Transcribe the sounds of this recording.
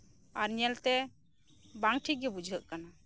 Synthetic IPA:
aɾɲɛlt̪ɛ | baŋɡʈʰik̚ɡɛbud͡ʒʱəʔ̪̚kana

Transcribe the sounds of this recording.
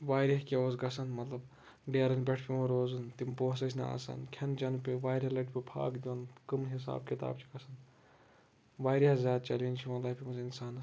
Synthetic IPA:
ʋaːɾeɦkʲeoːsɡɐsɐnmɐt̪lɐb | ɖeːɾɐnbʲeʈʰpʰimɐɾoːzɨnt̪impoːs̬ɐs̬ʰʲnɐ̰a̰ːsa̰nkʰɐnd͡ʒɐnpiʋaːjɾilɐʈpʲipʰa̰ːkd̪iʋɐnkɐmɦis̬a̰ːb̚kʲit̪a̰ːb̚t͡ʃʰi̥ɡɐsɐn | ʋaːjɾɐhzʲjaːd̪̚t͡ʃɐlint͡ʃʰimɐlaːpʰʲimuzinsaːnɐs

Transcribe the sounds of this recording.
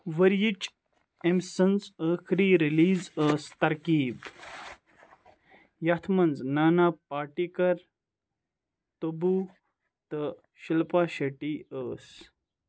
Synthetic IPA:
ʋɐɾjit͡ʃ | emsɐnzəːxɾiːɾiliːzəːst̪ɐɾkiːb | jɐt̪ʰmɐnznaːnaːpaːʈikɐɾ | t̪ɐbuː | t̪ə | ʃilpaːʃɐʈiːəːs

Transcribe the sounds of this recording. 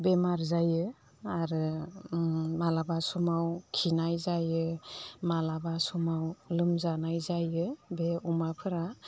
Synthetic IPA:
bemaɾzajɯ | aɾɯ | malabasumawkʰinajzajɯmalabasumawlɯmzanajzajɯbeumapʰɯɾa

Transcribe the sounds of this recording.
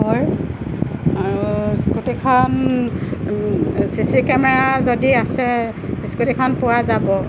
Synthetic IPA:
ɦɔj | aɹuskutikʰɔn | sisikɛmɛɹazodiasɛ | skutikʰɔnpʊwazabɔ

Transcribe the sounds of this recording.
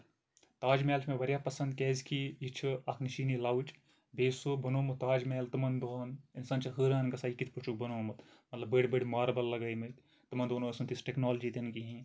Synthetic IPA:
t̪aːd͡ʒmɛːlt͡ʃʰmeʋɐɾʲjaːpɐsɐnd̪kɛːzkʰijit͡ʃʰɨɐkʰniʃiːnilawt͡ʃ | beːsobɐnoːmɨt̪aːd͡ʒmeːlt̪ɨmɐnd̪oːninsɐnt͡ʃʰɐɦɨːɾaːnɡɐsaːikit̪ʰpɾɨt͡ʃʰuk̚bɐnoːmɐt̪ | mɐt̪lɐbbəɽbəɽʲmaːɾbɐlːɐɡɐːjmit̪ | t̪ɨmɐnd̪oːnosɐnt̪isʈeknoːld͡ʒit̪ɐnkiɦĩ

